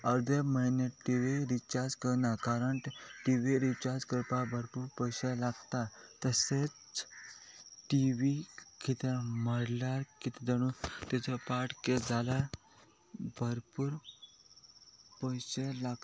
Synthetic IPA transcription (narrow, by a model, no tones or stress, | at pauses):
əɾd̪eməineʈiʋiɾit͡ɕaɾd͡zkəɾnakaɾəɳʈʈiʋiɾit͡ɕaɾd͡zkəɾpabʱəɾpuɾpəjɕelaɡt̪at̪əset͡s | ʈiʋikit̪ẽməɽlaɾkit̪ed̪əɽ̃ut̪et͡ɕʰəpaʈked͡zala | bʱəɾpuːɾ | pəjɕelaɡ